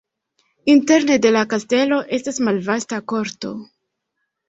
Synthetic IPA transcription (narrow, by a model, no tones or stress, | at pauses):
inte̞ɾne̞de̞lakaste̞lo̞ʔe̞stasmalvastako̞ɾto̞̰